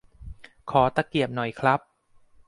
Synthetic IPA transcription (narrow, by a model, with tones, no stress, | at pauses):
kʰɔː˩˦t̪a˧ki˨˩əp̚nɔ˨˩jkʰɾa˦˥p̚